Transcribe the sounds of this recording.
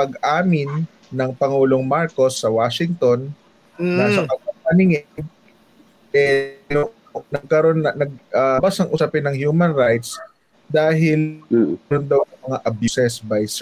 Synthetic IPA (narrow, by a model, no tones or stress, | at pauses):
pɐɡʔaːmɪnː | ɐŋpɐŋuːlo̞ŋmaɹko̞sːɐwaːʃɪŋt̪o̞n | nasɐkɐɐpɐnɪŋɛ | ʔɛlo | nɐɡ̚kɐɾo̞nɐnɐɡ̚ɐbasɐŋʔʊsɐpɪnːɐŋhjuːmɐnɹajt̪s | d̪aːɦɪldond̪ɐwɐŋmɐŋaʔɐbjusɛsbɐjs